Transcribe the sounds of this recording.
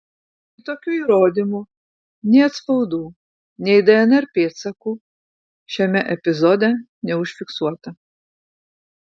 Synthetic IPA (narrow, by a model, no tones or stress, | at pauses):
it̪oːkʲuːiːɾoːd̪ʲimuː | nʲɛːɐt̪spɐʊd̪uː | nʲɛɪd̪ɛɛnɛɾpʲeːt̪sɐkuː | ʃʲɛmʲɛʔɛpʲɪzod̪ʲɛ | nʲɛʊʃʲfʲɪksuɔt̪ɐ